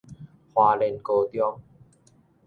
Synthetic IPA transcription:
hwaː˧le˧nko˧t̪jɔ˧ŋ

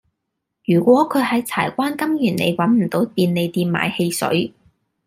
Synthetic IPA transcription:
jyː˨˩kʷɔː˨˥kʰɵ˨˧ɥhɐ˨˥jt͡sʰa̰ː˨˩jkʷaː˥nkɐ˥mjyː˨˩nnḛ˨˧jwɐ˨˥nm̩˨˩t̪o˨˥wt̪iː˧nle˨˧jt̪iː˧nma̰ː˨˧jhe˧jsɵ̰˨˥ɥ

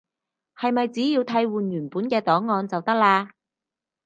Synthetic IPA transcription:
hɐ˨jmɐ˨jt͡siː˨˥jiː˧wt̪ʰɐ˧˥jwuː˨njyː˨˩npuː˨˥nkɛː˧t̪ɔː˨˥ŋːɔː˧nt͡sɐ˨wt̪ɐ˥k̚laː˧

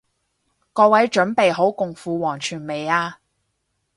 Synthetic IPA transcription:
kɔː˧wɐ˨˥jt͡ʃɵ˨˥npe˨jɦo˨˥wkʊ˨ŋfuː˨˧wɔː˨˩ŋt͡ʃʰyː˨˩nme˨jaː˧

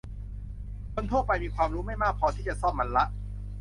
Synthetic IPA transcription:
kʰo˧nt̪ʰu˥˩pa˧jmiː˧kʰwaː˧mɾuː˦˥ma˥˩jmaː˥˩k̚pʰːɔː˧t̪ʰiː˥˩t͡ɕa˨˩sɔː˥˩mːa˧nla˦˥ʔ

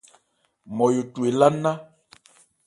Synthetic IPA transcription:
mɔ˨jo˨tu˨e˨la˦na˦

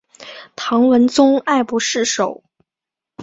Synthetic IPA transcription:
t̪ʰɑ˧˥ŋwə˧˥nt͡sʊ˥ŋa˥˩ɪpu˧˥ʂɻ̩˥˩ʂo˨˩˦ʊ

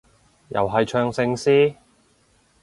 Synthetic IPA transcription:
jɐ̰˨˩wɦɐ˨jt͡ʃʰœː˧ŋsɪ˧ŋsiː˥

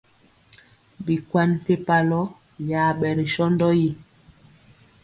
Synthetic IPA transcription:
bi˨kwa˦n˨pe˦pa˨lɔ˦ | jaː˨ɓɛ˨ɾi˨ʃɔ˦ndɔ˦ji˦

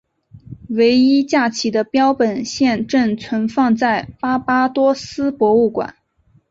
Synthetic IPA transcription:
we˧˥ɪi˥t͡ɕja˥˩t͡ɕʰi˧˥d̪ə˧pjɑ˥ʊpə˨˩nɕjɛ˥˧nʈ͡ʂə˥˩nt͡sʰwə˧˥nfɑ˥˧ŋt͡sa˥˩ɪpa˥pa˥t̪wɔ˥sɹ̩˥pwɔ˧˥u˥˩kwa̰˨˩˦n

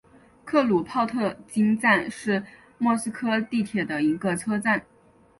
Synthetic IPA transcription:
kʰɤ˥˩lu˨˩pʰɑ˥˧ʊt̪ʰɤ˥˩t͡ɕi˥ŋt͡sa˥˧nʂɻ̩˥˧ | mwɔ˥˩sɹ̩˥kʰɤ˥t̪i˥˩t̪ʰjɛ˨˩d̪ə˦i˧˥ɡə˧t͡sʰɤ˥t͡sa˥˩n

